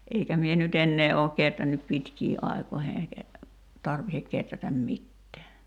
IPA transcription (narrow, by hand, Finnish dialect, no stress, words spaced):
eikæ mie nyt enːeː oːk ketrænːyp pitkiːʔ ʔɑi̞koihe eikæ tɑrʋihek ketrætæm mitːɛæ